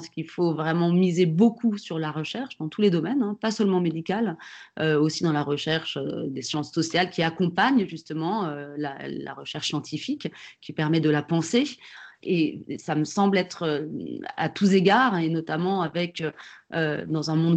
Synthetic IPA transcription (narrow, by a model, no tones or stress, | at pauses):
skilfovʁɛmɑ̃mizebokʰusyʁlaʁəʃɛʁʃd̪ɑ̃t̪ʰuled̪ɔmɛnɛ̃pasœlmɑ̃med̪ikʲal | øosid̪ɑ̃laʁəʃɛʁʃød̪esjɑ̃sːɔsjalkʲiakɔ̃paɲʒyst̪əmɑ̃øla̰la̰ʁəʃɛʁʃsjɑ̃t̪ʰifikkʲːipɛʁmɛd̪əlapɑ̃seesaməsɑ̃blɛt̪χøa̰t̪uzeɡaʁenɔt̪amɑ̃avɛkøød̪ɑ̃zɛ̃mɔ̃d̪